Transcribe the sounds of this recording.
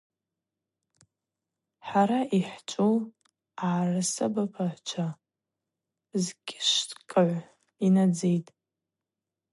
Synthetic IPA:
ħaɾaiħt͡ʃʷʼol | aːrasabapʰaħʷt͡ʃʷʰa | zkʲʼɪʃtkʼaʕʷ | inad͡zejtʼ

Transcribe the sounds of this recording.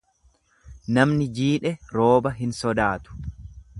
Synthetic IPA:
nɐmnɪd͡ʒiːᶑɛɾo̞ːbɐɦɪnsɔd̪aːt̪ʊ̥

